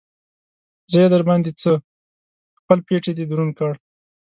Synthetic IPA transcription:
zəjed̪əɾbɑnd̪et͡sə | xpəlpeʈed̪ed̪uɾunkaɽ

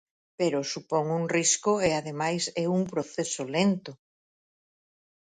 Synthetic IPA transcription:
peɾosupɔŋuŋriskoeaðemajsɛuŋpɾoθesolent̪ʊ

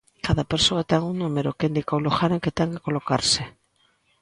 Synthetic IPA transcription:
kaðapeɾsoat̪ɛŋuŋnũmeɾokend̪ikawloxaɾeŋket̪ɛŋkekolokaɾsɪ

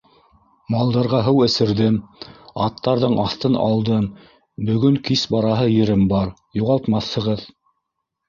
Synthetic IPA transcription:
mɑlˠd̪ɑɾʁɑɦɤwɘ̆sɘ̆ɾðɘmɑt̪ːɑɾðɤɴʔɑθt̪ɤnɑ̰lˠd̪ɤm | bɵ̆ɡɵŋkisbɑɾɑɦɤjɘ̆ɾɘmbɑɾ | juʁɑlˠt̪mɑθhɤ̆ʁɤð

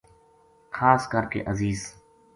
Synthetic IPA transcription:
xʰaːskəɾkḛʔəziːz

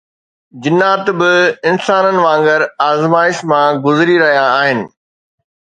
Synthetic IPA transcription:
d͡ʑɪnːaːt̪bɪɪnsaːnənɪ̆ʋãːŋɡəɾaːzmaːɪʃmãɡʊzɪɾiɾɐɦijaːɦɪnɪ̆

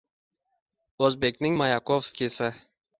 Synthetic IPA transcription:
ɵzbekʲnɪŋmajakʰofskʲisɪ

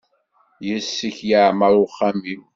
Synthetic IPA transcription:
jəsːiçjaʕmaɾˤʊχːamim

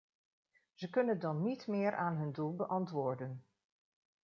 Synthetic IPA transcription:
z̥əkɵnədɑnːitmɪːɹʔaːnɦɵndulˠbəʔɑntʋʊːɹdən

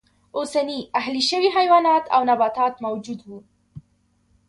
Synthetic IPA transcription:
ʔuːsaniːʔaɦliʃawiːɦajwaːnɑːt̪awnabɑːt̪aːt̪mawd͡ʒuːd̪buː

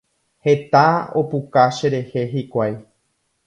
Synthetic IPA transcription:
he̞t̪aopukaʃe̞ɾe̞he̞ɦikʷaj

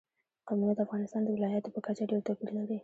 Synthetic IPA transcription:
qamunad̪əafɣɑnɪst̪ɑnd̪əwɪlɑjat̪opəkat͡ʃaɖeɾt̪apilnad̪e

